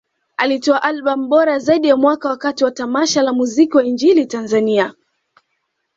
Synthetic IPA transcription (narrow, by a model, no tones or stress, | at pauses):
alitɔaʔalɓam̩ɓɔɾazaiɗijamwakawakatiwatamaʃalamuzikiwaiɲd͡ʒilitanzania